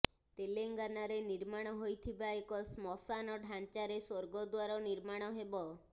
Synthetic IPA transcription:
t̪eleŋɡanaɾeniɾmaɽ̃ɔɦojt̪ʰibaekɔsmɔsanɔɖʱant͡ʃaɾesoɾɡɔd̪waɾɔniɾmaɽ̃ɔɦebɔ

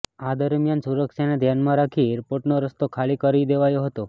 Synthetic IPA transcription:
ad̪əɾmjansuɾəkʃaned̪ʱjanmãɾakʰieɾpoɾʈnoɾəst̪okʰalikəɾid̪eʋajoɦət̪o

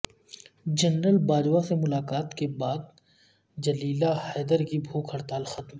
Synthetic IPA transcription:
d͡ʒɐnɾəlbaːd͡ʒwasemʊlaːkaːt̪kebaːd̪̚ | d͡ʒɐliːlahɛːd̪əɾkibʱuːkʰɐɾt̪aːlxɐt̪m

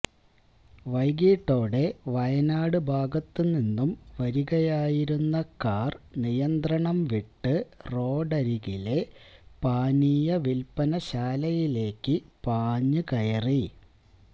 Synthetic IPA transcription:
ʋɐjɡiːʈːo̞ːɽe̞ʋɐjɐnaːɽɨbʱaːɡɐt̪ːɨninːumʋɐɾuɣɐjaːjiɾunːɐkaːrnijɐnd̪rɐɳɐmʋiʈːɨro̞ːɖɐɾiɣile̞paːniːjɐʋilpɐnɐɕaːlɐjile̞ːkːɨpaːɲːɨkɐjɐri

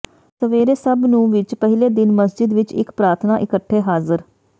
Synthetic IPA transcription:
səʋeːɾeːsəbnũːʋɪt͡ʃpəɦɪleːd̪ɪnməsd͡ʒɪd̪ʋɪt͡ʃɪ̰kpɾaːɾt̪ʰnaːʔɪkəʈʰːeːɦaːzəɾ

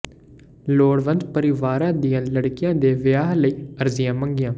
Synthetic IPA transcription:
loːɽʋə̃nd̪pəɾɪʋaːɾãːd̪ijãːləɽkɪjãːd̪eːʋɪjaːɦləiːəɾzɪjãːməŋɡɪjãː

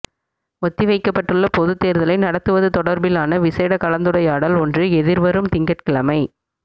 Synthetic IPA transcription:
ɔt̪ːiʋɐɪkːɐpːɐʈːɯɭːɐpɔðɯt̪ːeːɾðɐlɐɪnɐɽɐt̪ːɯʋɐðɯt̪ɔɽɐɾbɪlaːnɐʋɪseːɽɐkɐlɐnd̪ɯɽɐjaːɽɐlɔndrɯɛðɪɾʋɐɾɯmt̪ɪŋɡɐʈkɪɭɐmɐɪ

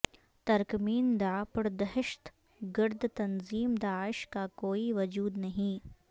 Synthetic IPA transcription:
t̪ɐɾkmiːnd̪aːpəɽd̪ɐɦɪʃt̪ | ɡɪɾd̪ʱt̪ɐnziːmd̪aːɪʃkakoːiʋɐd͡ʒuːd̪nɐɦĩ

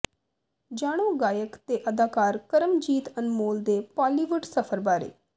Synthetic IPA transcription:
d͡ʒaːɽ̃õːɡaːjəkt̪eːʔəd̪aːkaːɾkəɾəmd͡ʒiːt̪ənmoːld̪eːpaːliːʋʊʈsəpʰəɾbaːɾḛː

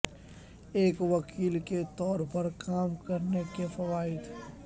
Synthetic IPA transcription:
eːkʋɐkʰiːlket̪ɔːɾpɐɾkaːmkɐɾnekefɐʋaːɪd̪

